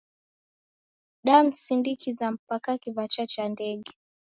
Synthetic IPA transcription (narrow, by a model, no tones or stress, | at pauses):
ɗam̩sindikʰizam̩pakakivat͡ʃat͡ʃandɛɡɛ